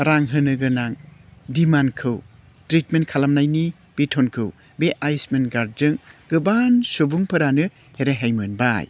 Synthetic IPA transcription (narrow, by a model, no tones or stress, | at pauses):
ɾaŋɦɯnɯɡɯnaŋdimankʰɯw | tɾitment̚kʰalamnajni | b̥etʰonkʰɯw | beʔajsmenɡaɾzɯŋɡ̥ɯbansubuŋpʰɯɾanɯ | heɾaɦejmɯnba̰j